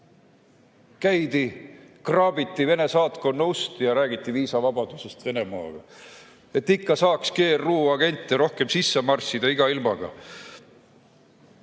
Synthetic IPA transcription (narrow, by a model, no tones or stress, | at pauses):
kæjd̪̥ikrɑːbit̪ːive̞ne̞sɑːt̪ko̞nːɑust̪ijɑɾæːɡ̥it̪ˑːiviːsɑvɑbɑd̪̥use̞st̪ve̞ne̞mɑ̰ːɡ̥ɑ̰ | e̞t̪ːikːɑsɑːkske̞ːrːuːɑɡe̞nʲt̪ːeɾo̞hke̞msisːe̞mɑrsːid̪̥ɑiɡ̥ɑilmɑɡ̥ɑ̰